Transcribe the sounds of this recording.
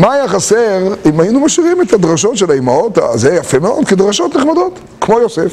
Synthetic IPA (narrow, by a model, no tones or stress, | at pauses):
maːjaχaseʁimajinumaʃiʁimet̪ad̪ʁaʃo̞tʃelaimaota̰zejafemeo̞̰d̪kedʁaʃo̞t̪neχmad̪o̞t̪ | kmo̞josef